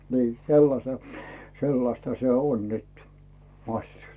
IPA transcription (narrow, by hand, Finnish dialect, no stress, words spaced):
niː selːɑse selːɑstɑ se on nyt mɑsʲːut